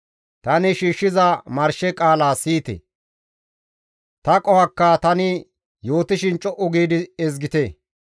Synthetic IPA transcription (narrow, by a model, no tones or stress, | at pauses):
t̪ɐnɪʃiːʃːɪzɐmɐɾʃɛkʼaːlaːsiːt̪ɛ̰ | t̪ɐkʼɔhɐkːɐt̪ɐnɪ | jo̞ːt̪ɪʃɪnt͡ʃʼɔʔʊɡiːd̪ɪɛzɡɪt̪ɛ